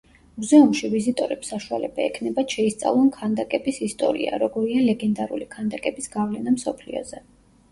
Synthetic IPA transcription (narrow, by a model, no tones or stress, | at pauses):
muzɛumʃivizit̪ʼɔɾɛpsaʃua̰lɛbaɛkʰnɛbat̪ʃɛist̪sʼa̰vlˠɔnkʰand̪akʼɛbisist̪ʼɔ̰ɾḭa̰ɾɔɡɔɾialɛɡɛnd̪aɾṵlikʰand̪akʼɛbisɡ̥avlɛnamsɔpʰlḭɔ̰zɛ